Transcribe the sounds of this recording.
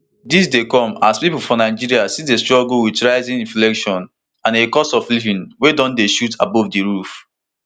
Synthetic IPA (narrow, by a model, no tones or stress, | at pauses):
dis̬dekɔ̃maspipufɔ̃naɪd͡ʒiɾiasidestɹɔɡlwitɹaɪzĩnĩnflɛkʃɔ̃n | ãnekɔsɔflivĩnwedɔ̃ndeʃutʰabɔvdiɹuf